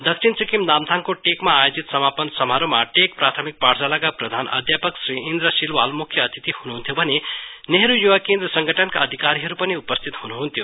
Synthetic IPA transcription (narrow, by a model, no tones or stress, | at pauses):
d̪ʌkt͡sʰint͡sikimnamt̪ʰaŋkoʈekmaːjod͡zit̪sʌmapʌnsʌmɦaɾomaʈek̚prat̪ʰʌmik̚pard͡zalakaprʌd̪ʱanʌ̰d̪ʱjapʌksriind̪ɾʌsilwalmukʰjʌːt̪it̪ihunuɦunt̪ʰjobʱʌneneɦɾujuwakẽnd̪ɾrʌsʌŋɡʱʌʈʰʌnkaːd̪ʱikaɾiɦʌɾupʌniupʌst̪ʰit̪hunuɦunt̪ʰjo